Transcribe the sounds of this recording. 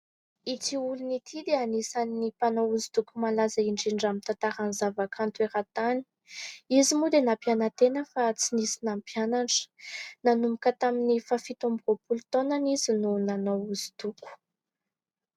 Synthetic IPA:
it͡siulunit̪ʰid̪eanisanːipanouzit̪ukumalazaiɳɖ͡ʐiɳɖ͡ʐamit̪at̪aɾanizavakʰant̪ueɾat̪ani̥ | izimud̪enapjanət̪enəfat͡sinisinampjanaɳɖ͡ʐə̥nanumikət̪aminifafit̪ombiropulut̪onanizinunanowuzi̥t̪uku̥

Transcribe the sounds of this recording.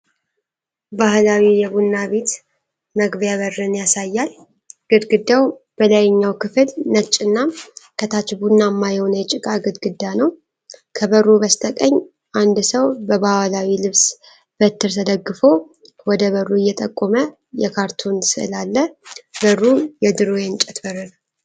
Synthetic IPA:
bahlawijɛbunːaβe̞t̪ | məɡbjaβərːɨnjasajːal | ɡ̥ɨd̪ɡɨd̪ːaw | b̥əlajɲːawkʰɨflnət͡ʃʼːɨnːakʰət̪ʰat͡ʃbunːamːajownəjɛt͡ʃʼɪkʼaɡɨd̪ɡɨd̪ːanəw | kʰəbərːuβəst̪ʰʼəkʼəɲː | ʔand̪səwbəbawalawilɨβs | b̥ət̪ːɨɾt̪ʰəd̪əɡːɨfo | wɔd̪əβərːuɨjːɛt̪ʼəkʼːomə | jɛkʰaɾt̪ʰonsɨʔɨ̰lalːəbərːujɛd̪ɨɾojɛnt͡ʃʼɛt̪bərːɨnəw

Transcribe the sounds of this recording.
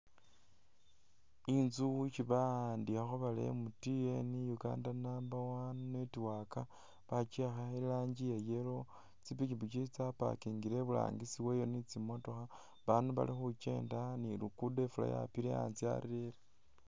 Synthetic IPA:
inzut͡ʃiβandiaxoβalḛmutijenijuɡa̰ːndanambawannetiwaka | βat͡ʃexailaːɲd͡ʒijejelo̞ | t͡sipit͡ʃiβut͡ʃit͡sapa̰kiŋɡiɾeβula̰ːŋɡisiwejonit͡simo̞to̞xa | βanuβa̰lixut͡ʃe̞̰ːndanilukudefula̰ja̰piɾea̰nt͡sia̰ɾiɾele

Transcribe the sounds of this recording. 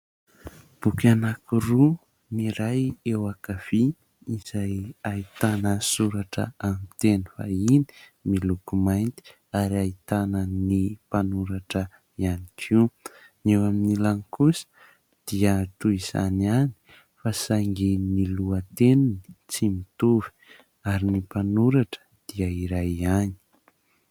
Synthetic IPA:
b̥ukanakuru | niɾajewakav̥i | iz̥ajait̪anəsuɾaʈ͡ʂə̰amit̪eni̥fa̰ini̥milukumajnt̪i̥ | aɾiait̪anənipanuɾaʈ͡ʂə | ianikʰiwnewaminilaŋikusə̥ | d̪̥iət̪uiz̥a̰niani̥ | fasaŋɡimiluət̪eninit͡simit̪uvi̥ | aɾinipanuɾaʈ͡ʂə̥d̪̥iəiɾajani̥

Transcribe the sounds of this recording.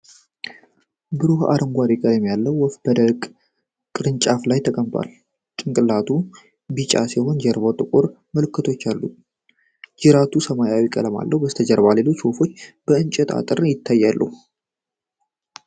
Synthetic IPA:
bɨɾoha̰ɾəŋɡʷaɾiɡaɾjɛmːijalːəwːɔfb̥əd̪əkʼ | kʼɨɾɨnt͡ʃʼaflajt̪ʰəkʼəmt̪ʼa̰l | kʼɨŋkʼɨlat̪ʰu | bit͡ʃʼa̰siho̞nd͡ʒɛɾβot̪ʼɨkʼoɾ | məlɨkːɨt̪ʰo̞t͡ʃːalːṵ | d͡ʒɪɾat̪ʰusəmajawikʼə̰ləma̰lːəhwbəst̪ʰəd͡ʒəɾbale̞lo̞t͡ʃːwɔfo̞t͡ʃːb̥əɨnt͡ʃʼɛt̪ʼa̰t̪ʼɨɾnjɪt̪ʰːajːalːə̰hu

